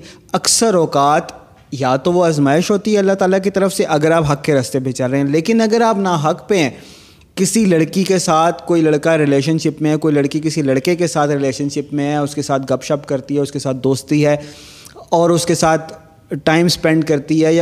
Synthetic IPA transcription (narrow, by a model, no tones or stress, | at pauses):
ɐksəɾɔːkaːt̪ | jaːt̪oʋoɐzmaːɪʃɦoːt̪iɦɛɐlːaɦt̪aːlak̬it̪ɐɾəfseʔɐɡəɾaːpɦɐkːeɾɐst̪ebʱeːt͡ʃaɾɐɦeɦɛ̃leːkɪnɐɡəɾaːpnaɦɐkpeɦɛ̃ | kɪsilɐɽkikesaːt̪ʰkoːilɐɽkaɾɪleːʃənʃɪpmẽɦɛkoːilɐɽkik̬ɪsilɐɽkekesaːt̪ʰɾɪleːʃənʃɪpmẽɦɛʊskesaːt̪̚ʰɡɐpʃɐpkɐɾt̪iɦɛʊskesaːt̪̚d̪oːst̪iɦɛː | ɔːɾʊskesaːt̪ʰ | ʈaːɪmspɛ̃ɳɖkɐɾt̪iɦɛja